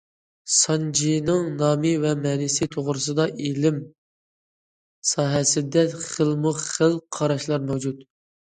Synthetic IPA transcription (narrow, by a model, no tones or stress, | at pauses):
sɑnd͡ʒinɨŋnɑːmɨvɛmɛnɪsɪt̪ʰoʁɾɨsɨd̪ɑʔilɪm | sɑːɦɛsɪd̪ɛχəlˠmʊχχəlˠqʰɑɾɑʃlˠɑɾmɛwd͡ʒut̪̚